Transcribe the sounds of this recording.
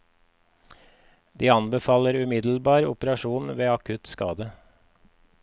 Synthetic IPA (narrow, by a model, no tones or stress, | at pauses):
d̪iːɑnbəfɑːləɾʉmɪd̪l̩bɑːɾʊ̰pəɾɑʃuːnʋeːɑkʰʉt̪skɑ̰ːd̪ə